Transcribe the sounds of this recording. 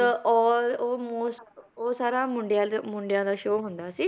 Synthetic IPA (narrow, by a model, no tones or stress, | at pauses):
təɔɾomososaɾamuɳɖjãmuɳɖjãd̪aɕʋoɦõnd̪aəsi